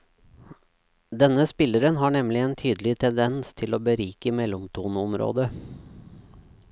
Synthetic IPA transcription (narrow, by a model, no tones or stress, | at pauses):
d̪ɛnəspɪləɾənɦɑːɳɛmlɪeːnt̪ʰyːd̪əl̩ɪt̪ʰɛnd̪ɛnst̪ʰɪloːbəɾiːkəmɛlʊmt̪ʰuːnɔmɾo̰ːd̪ə